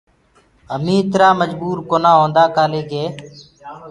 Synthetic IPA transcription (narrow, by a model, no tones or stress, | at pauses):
ɦəmĩːt̪ɾaːməd͡ʒbuːɾkoːnãːɦõːnd̪aːkaːleːɡeː